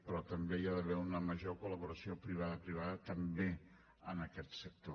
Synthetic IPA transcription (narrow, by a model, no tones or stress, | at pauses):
pɾɔt̪əmbeiaðəβɛunəməʒokuləβ̞uɾəsiopɾiβ̞aðəpɾiβ̞aðət̪əmbe | ənəkɛt̪sək̚t̪o